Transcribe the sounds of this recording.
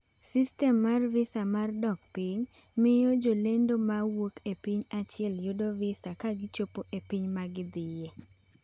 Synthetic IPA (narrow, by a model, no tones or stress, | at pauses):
sistɛmːarvɪsamardɔk̚pɪɲ | mɪjod͡ʒolendomawokepiɲat͡ʃɪɛljodovɪsakaɡɪt͡ʃopoʔepiɲmaɡɪd̪ɪje